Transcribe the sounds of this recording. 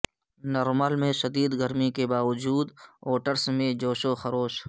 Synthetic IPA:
nɐɾməlmẽʃɐd̪iːd̪ɡəɾmikebaːwəd͡ʒuːd̪oːʈəɾsmẽd͡ʒoːʃoxɐɾoːʃ

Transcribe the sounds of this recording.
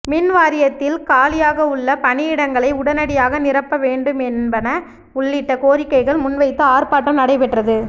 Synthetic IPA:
mɪnʋaːɾɪjɐt̪ːɪlkaːlɪjaːɣɐʊɭːɐpɐɳɪjɪɽɐŋɡɐɭɐɪʊɽɐnɐɽɪjaːɣɐnɪrɐpːɐʋeːɳɖɯmɛnbɐnɐ | ʊɭːɪʈːɐkoːɾɪkːɐɪɣɐɭmʊnʋɐɪt̪ːɯaːrpaːʈːɐmnɐɽɐɪpɛʈrɐðɯ

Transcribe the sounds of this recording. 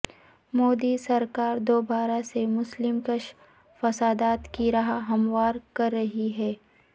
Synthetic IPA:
moːd̪isɐɾkaːɾd̪oːbaːɾasemʊslɪmkəʃ | fɐsaːd̪aːt̪kiɾɐɦaɦɐmwaːɾkɐɾːɐɦiɦɛː

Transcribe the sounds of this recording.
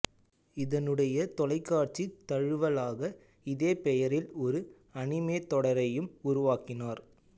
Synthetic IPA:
ɪðɐnɯɽɐjɐt̪ɔlɐɪkːaːʈ̚t͡ʃit̪ːɐɻɯʋɐlaːɣɐ | ɪðeːpɛjɐɾɪlɔɾɯ | ɐɳɪmeːt̪ɔɽɐɾɐjɯmʊɾʊʋaːkɪnaːɾ

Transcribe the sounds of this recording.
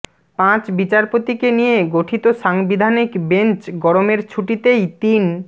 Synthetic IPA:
pãt͡ɕbit͡ɕaɾpot̪ikenijeɡoʈʰit̪oʃaŋbid̪ʱanikbent͡ɕɡɔɾomeɾt͡ɕʰuʈit̪ejt̪in

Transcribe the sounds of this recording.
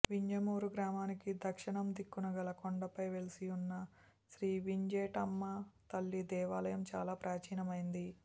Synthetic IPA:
ʋiɲd͡ʒɐmuːɾuɡɾaːmaːnikid̪ʱɐkʂiɳɐmd̪ikːunɐɡɐlɐkoɳɖɐpɐjʋe̞lisiunːɐ | sɾiːʋiɲd͡ʒeːʈɐmːɐt̪ɐlːid̪ɛːʋaːlɐjɐmt͡ʃaːlaːpɾaːt͡ʃiːnɐmɐjind̪i

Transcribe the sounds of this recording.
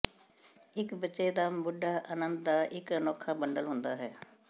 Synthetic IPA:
ɪkbəʃeːd̪aːbʊɖaːʔənənd̪̚d̪aːʔɪkənɔːkʰaːbəɳɖəlɦʊnd̪aːɦɛː

